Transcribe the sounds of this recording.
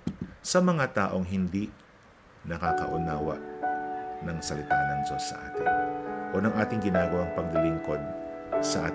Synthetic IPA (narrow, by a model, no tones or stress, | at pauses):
sɐmɐŋat̪aːʔoŋɦɪnd̪i | nɐkakɐʔʊnaːwɐ̰ | nɐŋsɐlɪt̪aːnɐŋd͡ʒosːɐ̰ʔa̰ːt̪ɪnʔonɐŋʔaːt̪ɪŋɡɪnaːɡɐwaŋpɐɡlɪlɪŋko̞d̪̚ | sɐʔa̰ː